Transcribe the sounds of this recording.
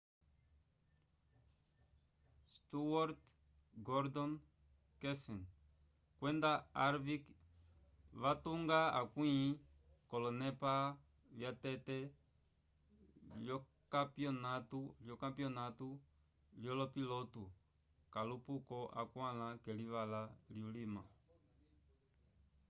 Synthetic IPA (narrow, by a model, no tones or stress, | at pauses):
st̪uwaɾt | ɡɔɾd̪ɔn | kɛsɛn | kwɛndaaɾvik | vatuŋɡaa̰kwĩ | kɔlɔnɛpa | ljatɛtɛ | ljɔ | kapiɔnatuljɔkampiɔnatu | ljɔlɔpilɔtu | kalupukɔʔakwãlãkɛlivalaliulima̰